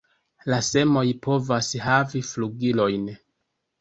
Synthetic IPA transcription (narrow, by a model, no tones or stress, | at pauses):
lase̞mo̞jpo̞vashavifluɡilo̞jn